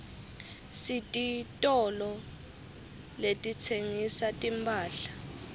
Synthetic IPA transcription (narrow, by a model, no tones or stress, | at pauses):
sitʼitʼɔlɔ | letʼit͡sʰeŋisatʼimpʰʼaːɬḁ